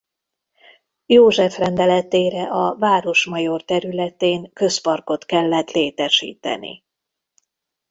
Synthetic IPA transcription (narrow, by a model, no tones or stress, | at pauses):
joːʒɛfrɛnd̪ɛlɛt̪eːɾɛʔɒvaːɾo̞ʃmɒjo̞rt̪ɛɾylɛt̪eːŋkø̞spɒrko̞t̪kɛlːɛt̪leːt̪ɛʃḭːt̪ɛ̰nḭ